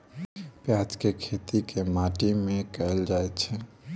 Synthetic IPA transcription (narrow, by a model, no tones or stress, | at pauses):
pjat͡ʃkekʰet̪ikemaʈimẽkɛeld͡ʒajt͡ʃʰɛ